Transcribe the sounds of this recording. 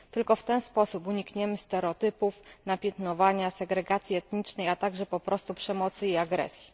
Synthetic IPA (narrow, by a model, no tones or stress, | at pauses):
t̪ɘlkɔft̪ɛnspɔsupuɲikɲɛmɘst̪ɛɾɛɔt̪ɘpufnapʲjɛt̪nɔvaɲasɛɡɾɛɡat̪sʲjiɛt̪ɲit͡ʂnɛjat̪aɡʐɛpɔpɾɔst̪upʂɛmɔt̪sɘiaɡɾɛ̰sʲji̥